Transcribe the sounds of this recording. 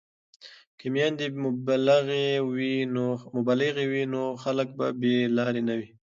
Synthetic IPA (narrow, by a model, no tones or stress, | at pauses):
kemjɑnd̪iaɣewinomʊbɑlɪɣewinoxalək̚babelɑɾenawi